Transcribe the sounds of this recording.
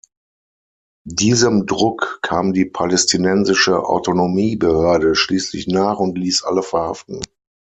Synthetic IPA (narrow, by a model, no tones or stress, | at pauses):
diːzəmdʁʊkkʰaːmdiːpʰalɛstʰinɛnzɪʃəʔa̰ʊtonomiːbəhøɐdəʃliːslɪ̰çnaːχʊntliːsʔa̰ləfɛɐha̰ftn̩